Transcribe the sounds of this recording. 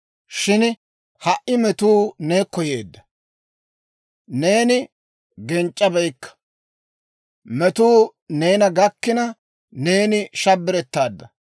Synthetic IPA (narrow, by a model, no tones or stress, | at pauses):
ʃɪn | hɐʔɪmɛt̪uːne̞ːkːɔje̞ːd̪ːɐ̥ | ne̞ːnɪ | ɡɛnt͡ʃʼːɐbɛjkːɐ̥ | mɛt̪uː | ne̞ːnɐɡɐkːɪnɐ | ne̞ːnɪʃɐbːɪɾɛt̪ːaːd̪ːɐ